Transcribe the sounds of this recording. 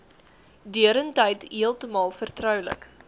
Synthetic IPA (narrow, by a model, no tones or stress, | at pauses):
dyəɾəntɛjtɦiəlˠtəmɑːlˠfərtrœwlə̰k